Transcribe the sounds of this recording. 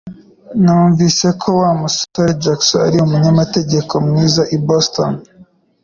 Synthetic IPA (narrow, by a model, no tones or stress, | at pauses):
nauːɱvise̞kʰo̞waːmustoɾd͡ʒaksoa̰ɾiumuɲamate̞ɟe̞kʰo̞mŋiːzaʔibosto̰n